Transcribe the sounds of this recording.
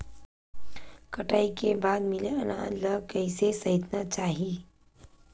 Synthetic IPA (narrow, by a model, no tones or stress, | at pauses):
kəʈaːikebaːd̪mɪleɐnaːləkəɪsesɐɦɪt̪nat͡ʃaːɦiː